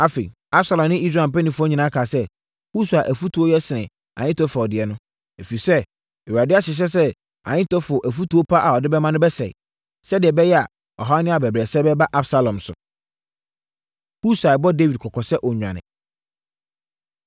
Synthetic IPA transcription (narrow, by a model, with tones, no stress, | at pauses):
a˦fḭ̃˨ | a˦bsa˨lɔ̃˨mnɪ̃˦i˦sɾa˨m̩˨pɛ˦nĩ˨fʊ˦ɔ˦ɲĩ˨nã˦kʰaː˨sɛ˦ | hu˦su˨a˨ʔæ˨fu˦tʰu˨o˦jɛ˦sɪ˨nɪ̃˨ | ã̰˨ɲɪ̃˦tɔ˦fa˨ɔ˨dɪ˨ɛ˨nʊ̃˦ | e˨fi˨sɛ˦ | ɛ˨wa˨dɪ˦a˦ɕɪ˨ɕ̬ɛ˦sɛ˦ | ã̰˨ɲɪ̃˦tɔ˦fʊ˨ʔæ˨fu˦tu˨o˦pʰa˦ʔa˨ɔ˨dɪ˦bɛ˦mã˦nʊ̃˦bɛ˦sɛ̰˨ɪ̰˨ | sɛ˦dɪ˨ɛ˨bɛ˦jɛ˦a̰˨ | ɔ̰˨ɦa˦nɪ̃˦a˨bɛ˨bɾɛː˨sɛ˦bɛ˦ba˦ʔa˦bsa˦˨lɔ̃˨msʊ̰˨ | hu˦sa˨bɔ˦de˦wi˨d̚kʰɔ˨kʰɔ˨sɛ˦ʔɔ˨ɲᶣ˨ã̰˨nɪ̰̃˨